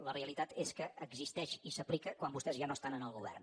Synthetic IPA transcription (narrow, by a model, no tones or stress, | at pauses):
ləreəlit̪at̪eskəːɡzist̪ɛʃisəplikəkwambust̪ɛzʒanoəst̪anənəlˠɣuβɛ̰rn